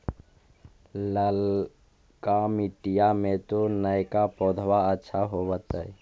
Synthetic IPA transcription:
ləl | kamɪʈijamẽt̪onəjkapoːd̪ʱwaətːʃʰaɦobət̪əɛ

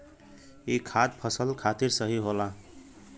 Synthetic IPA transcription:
ekʰad̪̚pʰʌsəlkʰat̪iɾsʌɦiɦola

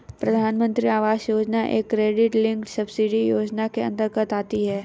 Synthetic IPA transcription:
pɾɐd̪ʱaːnmə̃nt̪ɾiaːʋaːsjoːd͡ʒnaʔḛːkːɾeːɖɪʈlɪ̃ŋksɐbsiɖijoːd͡ʒnakeɐ̰̃nd̪əɾkət̪aːt̪iɦɛː

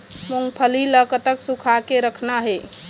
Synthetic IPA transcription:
moŋɡpʰəliləkət̪əksukʰakeɾəkʰnaɦe

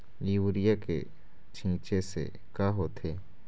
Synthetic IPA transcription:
liwɾɪjakḛ | t͡ʃʰĩːt͡ʃesḛ | kaɦoːt̪ʰeː

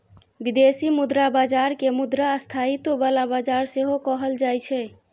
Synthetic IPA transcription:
bid̪esimud̪ɾabad͡ʒaɾkemud̪ɾaəst̪ʰait̪obalabad͡ʒaɾseɦokɔɦəld͡ʒajt͡ʃʰɛ

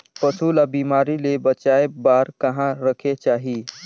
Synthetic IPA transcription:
pəsʰulabimaɾilebət͡ʃaebaɾkəɦãɾəkʰet͡ʃaːɦi

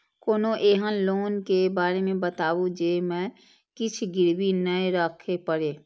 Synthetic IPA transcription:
koːnõʔeːɦənloːnkebaːɾemẽbət̪aːʋũd͡ʒeːmɛ̃ː | kɪt͡ʃʰɡɪɾbinəeɾəkʰepəɽeː

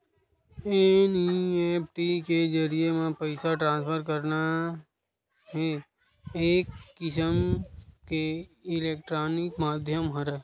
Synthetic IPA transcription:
enieːp̚ʰʈiked͡ʒəɾijemẽpəɪsaʈɾãːnspʰəɾkəɾna | ɦe | eːkːɪsəmkeɪleːk̚ʈɾaːnɪkmaːd̪ʱjəmɦəɾe

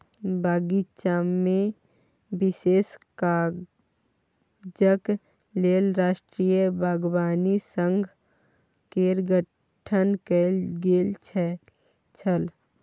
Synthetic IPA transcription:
baːɡit͡ʃaːmːẽ | bɪseːska | d͡ʒək | leːlɾaːʃʈɾiːjəbʱaːɡwaːnisə̃ŋɡʱ | keɾɡə | ʈʰənkelɡeːlt͡ʃʰɛ | t͡ʃʰəl

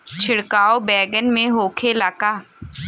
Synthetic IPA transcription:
t͡ʃʰɪɽkaːobɛːɡənmẽɦoːkʰelaːkaː

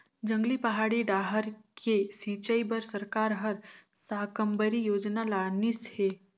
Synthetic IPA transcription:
d͡ʒə̃ŋɡlipɐɦaːɽiɖaːɦəɾkʰesiːt͡ʃəibəɾsəɾkaːɾɦəɾsaːkəmbəɾijoːd͡ʒnalaːnishe

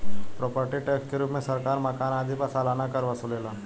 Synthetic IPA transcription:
pɾɔːpəɾʈiʈeːkskeɾuːpmẽsɐɾkaːɾmɐkaːnaːd̪ipasaːlaːnakɐɾʋɐsuleːlaː

